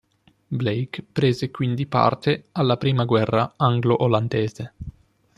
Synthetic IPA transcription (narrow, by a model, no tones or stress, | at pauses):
blejkpɾeːzekwind̪ipa̰rt̪ealːapɾiːmaɡwɛrːaaŋɡloʔoland̪eːze